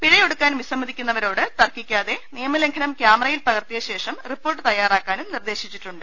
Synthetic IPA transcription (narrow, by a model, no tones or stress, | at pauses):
piɻɐjo̞ɽukːaːnmʋisɐmːɐd̪ʱikʲːunːɐʋɐɾo̞ːɽɨt̪ɐrkːikʲːaːðe̞nijɐmɐle̞ŋkʰɐnɐmkjaːmɐrɐjilpɐɣɐrt̪ijɐɕe̞ːʂɐmripːo̞ːrʈ̬ːɨt̪ɐjːaːraːkːaːnumnird̪e̞ːɕit͡ɕːiʈːuɳɖɨ